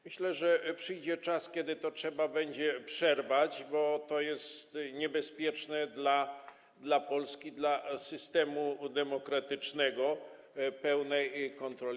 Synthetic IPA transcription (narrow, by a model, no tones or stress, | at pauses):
mɘɕlɛʐɛpʂɘjd͡ʑɛt͡ʂaskʲjɛd̪ɘt̪ɔtʂɛbabɛɲd͡ʑɛpʂɛɾvad͡ʑbɔt̪ɔjɛst̪ɲɛbɛspʲjɛt͡ʂnɛd̪la | d̪lapɔlskʲid̪lasɘst̪ɛmud̪ɛmɔkɾat̪ɘt͡ʂnɛɡɔ | pɛwnɛjkɔnt̪ɾɔlʲ